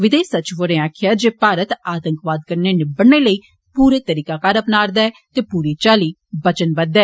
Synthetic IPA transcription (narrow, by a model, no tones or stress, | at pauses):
ʋɪd̪eːsət͡ʃʋoɾẽːaːkʰɪjaːd͡ʒeːpaːɾət̪aːt̪əŋkʋaːd̪̚kəɾneːnɪbəɽneːləiː | puːɾeːt̪əɾiːkaːkaːɾəpnaːɾd̪aːɛːt̪eːpuːɾiːt͡ʃaːliː | bət͡ʃənbəd̪ɛː